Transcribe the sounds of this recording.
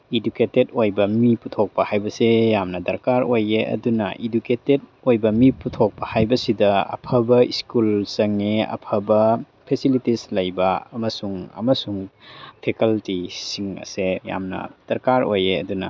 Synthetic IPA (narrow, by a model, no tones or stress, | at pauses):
iduketedojbɐmiputʰok̚pɐhajbɐsejamnɐdɐɾkaɾojeʔɐ̰dunɐ̰ʔiduketed̚ojbɐmiputʰok̚pɐhajbɐsidɐɐ̰pʰɐbɐiskulsɐŋeɐ̰pʰɐbɐ | pʰesilitislɐjbɐɐmɐsuŋɐ̰mɐsuŋpʰekɐltisiŋɐ̰seja̰mnɐ̰d̥ɐɾkaɾojeɐ̰dunɐ̰